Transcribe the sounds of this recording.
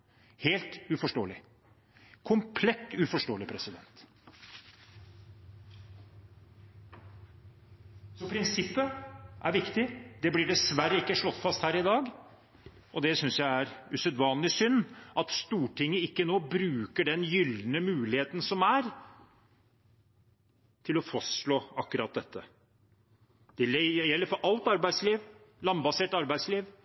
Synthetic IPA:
heːlt̪ʉfɔʂʈoːəlɪ | kʰʊmpʰlɛt̪ːʉfɔʂʈoːəlɪpʰɾɛsɪd̪ɛnt̪ | sɔpʰɾɪnsɪpːəʔæ̰ɾʋɪkt̪ɪd̪ɛblɪɖɛsʋæɾəɪkːəʂɭɔt̪ːfɑst̪hæːɾɪd̪ɑːɡ | ʔɔd̪ɛsʏnsjæɪæɾʉsœd̪ʋɑːnlɪsʏnːʔɑt̪st̪uːʈʰɪŋːəɪkːənoːbɾʉːkəɖɛnjʏlnəmʉːlɪheːt̪n̩sɔmæɾ | t̪ʰɪlɔfɑsɭoːɑkːʉɾɑt̪̚d̪ɛt̪ːə | d̪̥ɛlːɛjɛlːəɾfɔɾʔɑlt̪ɑɾbæɪd̪sliːʋlɑmbɑseːʈɑɾbæɪd̪sliːʋ

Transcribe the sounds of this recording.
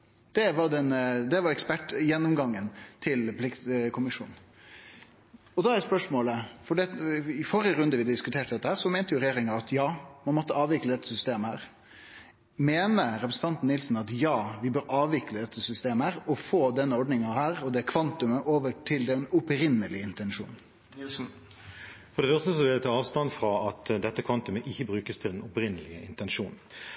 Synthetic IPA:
d̪̥ɛʋɑɖɛnd̪ɛʋɑɾɛkspæʈːjɛnːɔmɡɑŋːənt̪ʰɪlpʰlɪkt̪kʰʊmɪʂṵːnn̩ | ɔd̪ɑːæɾjæspœʂmoːləfɔɖiɑt̪ɪfɔɾəɾʉnd̪əʋɪd̪d̪ɪskʉt̪ʰeːʈəd̪ɛt̪ːəhæːɾsɔmɛːnt̪əjʊɾɛjeːɾɪŋɑɑt̪jɑːmɑnmɔt̪ːəɑːʋɪkləd̪ɛt̪ːə̥sʏst̪eːməhæːɾ | meːnəɾɛpɾəsn̩ɑnt̪n̩ɪlsn̩ɑt̪jɑːʋɪbøːɾɑːʋʋɪkləd̪ɛt̪ʰːəsʏst̪eːməhæːɾɔfoːd̪ɛnːəɔɖnɪŋɑhæːɾɔd̪ɛkʰʋɑnt̪ʉməʔoːʋəʈʰɪld̪ɛnɔpɾɪnəlɪɪnt̪ɛnʂṵːn | fɔɖɛfœʁst̪əsɔʋɛɛt̪ʰɪɑːʋst̪ɑnfɾɑɑt̪d̪ɛt̪ːəkʰʋɑnt̪ʉməʔɪçːəbɾʉːkəst̪ʰɪlɛnɔpɾɪnːəlɪəɪnt̪ɛnʂuːn

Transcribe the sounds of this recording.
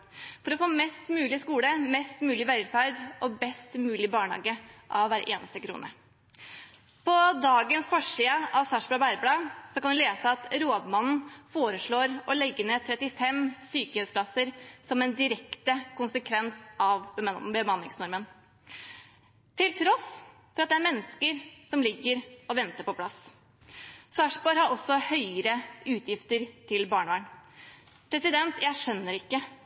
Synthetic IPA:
fɔɾɔfoːmɛst̪mʉːlɪskuːləmɛst̪mʉːlɪʋæɾfæɾd̪ɔbɛst̪mʉːlɪbɑːɳhɑ̰ːɡəʔɑʋʋæːɾʔḛːnʔəst̪əkʰɾṵːnə | pʰɔd̪ɑːɡənsfɔʂiːəɑʋsɑʂblɑːbæɾblɑːsɔkʰɑnd̪ɛleːsəɑt̪ɾoːd̪mɑnn̩foːɾəʂɭoːɾɔlɛɡːənet̪ʰɾɛt̪ːɪfɛmsyːkəhʉskʰlɑsəɾsɔmɛnd̪ɪɾɛkt̪əkʊnsəkʰʋɛnsɑʋbəmɑnːɪŋsnɔɾmən | t̪ʰɪlt̪ʰɾɔs | fɔɾɑt̪̚d̪ɛæɾmɛnːəskəɾsɔmlɪɡːəɾɔʋɛnt̪əɾpɔpʰlɑs | sɑʂbɔɾhɑɾɔsːɔhœʏəɾəʉːt̪ʰjɪft̪əɾt̪ʰɪlbɑːɳəʋæːɳ | pʰɾɛsɪd̪ɛnt̪jæɪʂœnːəɾɪkːə

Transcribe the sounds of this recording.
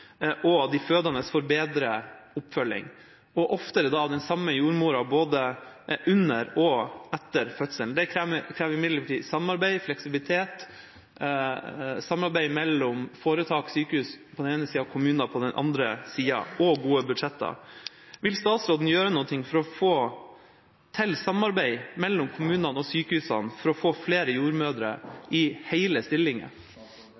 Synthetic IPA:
ʔɔd̪ɪføːd̪ɑnəsfɔɾbeːd̪ɾəʊpːfœlːɪ̰ŋ | ɔʔɔft̪əɾɛd̪ɑʋd̪ɛnsɑmːəjuːɾmuːɾɑboːd̪əʔʉnəɾɔɛt̪ːəɾfœt̪səlnd̪ɛkʰɾæːkʰɾæːʋɾɪmɪd̪ləʈʰḭːsɑmɑɾbæɪflɛksɪbɪlɪt̪ʰeːt̪ | sɑmɑɾbæɪmɛlːɔmfoːɾət̪ʰɑːksyːkəhʉːspʰɔd̪ɛneːnəsiːɑkʰʊmʉːnɑpʰɔd̪ɛnʔɑ̰nd̪ɾəsiːɑ̰ʔɔɡuːəbʉd̪ʂɛt̪ːɑ̰ | ʋɪlst̪ɑːt̪sɾoːd̪n̩jøːɾənuːət̪ɪŋːfɔɾɔfoː | t̪ʰɛlsɑmɑɾbæɪmɛlːɔmkʰʊmʉːnɑnɔsyːkəhʉːsɑnfɔɾɔfoːfleːɾəjuːɾmøːd̪ɾə̰ʔɪhæɪləst̪ɪlːɪŋə̰

